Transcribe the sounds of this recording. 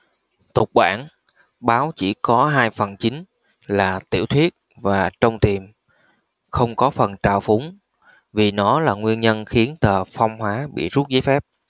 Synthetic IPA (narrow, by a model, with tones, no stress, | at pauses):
t̪ʊ˨˩k͡p̚ɓa̰ː˧˩n | ɓaː˨˦wt͡ɕḭ˧˩kɔ˨˦ɦaː˧jfə˨˩nt͡ɕï˨˦ŋ̟ | laː˨˩t̪ḭ˧˩əwt̪ʰwi˦˥ət̚vaː˨˩t͡ɕə˧wŋ͡mt̪i˨˩m | xə˧wŋ͡mkɔ˨˦fə˨˩nt͡ɕaː˧˨˩wfʊ˨˦ŋ͡m | vi˨˩nɔ˨˦laː˨˩ŋwi˧ənɲə˧nxi˨˦ənt̪əː˨˩fɔ˧wŋ͡mhɦwaː˨˦ɓḭ˧˨zu˦˥t̚zəː˨˦jfɛ˦˥p̚